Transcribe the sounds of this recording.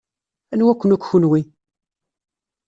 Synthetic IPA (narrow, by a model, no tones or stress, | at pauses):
ænwækʷːənukʷːçunwi